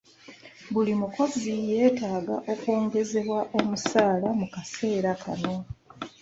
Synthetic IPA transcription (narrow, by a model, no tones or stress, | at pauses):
βulimuko̞zije̞ːtaːɡaʔo̞ko̞ːŋɡe̞ze̞βwaʔo̞musaːlamukase̞ːɾakʰano̞